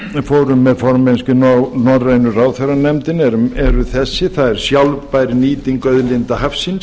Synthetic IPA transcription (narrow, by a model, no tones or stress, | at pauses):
foːwɾʏmːɛðfɔɾmɛnscʏnnɔɾrejnʏraːwθɛɾanɛmt̪ɪnɛɾʏmɛɾʏθɛsːɪθaðɛɾ̥sjawlvpajɾɪniːt̪iŋkœðlɪnt̪ahafsin